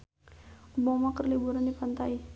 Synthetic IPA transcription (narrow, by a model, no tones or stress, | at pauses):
ubɔmakərlibuɾandipant̪ai